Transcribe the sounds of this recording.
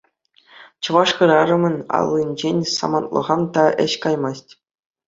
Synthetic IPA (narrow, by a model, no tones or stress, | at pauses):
t͡ɕɤ̆ʋɑʂχɯ̆ɾɑɾɤ̆mɤ̆nʲɑ̰lˠːinʲd͡ʑenʲsɑ̰mɑnt̪lˠɤ̰̆ʁɑnt̪ɑʔɘ̰̆ɕkɑjmɑsʲtʲ